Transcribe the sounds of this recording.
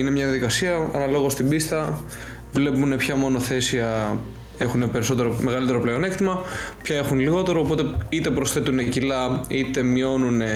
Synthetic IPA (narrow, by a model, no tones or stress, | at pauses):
ine̞mɲɐðjɐðikɐsiɐɐ̰nɐlo̞ɣo̞st̪ibist̪ɐ | vle̞pune̞pçɐmo̞no̞θe̞siɐ | e̞xune̞pe̞ɾiso̞t̪e̞ɾomeɣɐlit̪eɾopleone̞kt̪imɐpçɐe̞xunliɣo̞t̪e̞ɾoːpo̞t̪e̞it̪e̞pɾo̞sθe̞t̪une̞cilɐit̪e̞mio̞nune̞